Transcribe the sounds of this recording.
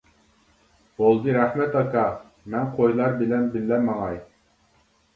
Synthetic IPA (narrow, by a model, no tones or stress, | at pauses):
bolˠd̪ɨɾɛχmɛt̪ɑkɑ | mɛnqʰojlˠɑɾbɪlɛnbɪlːɛmɑŋɑj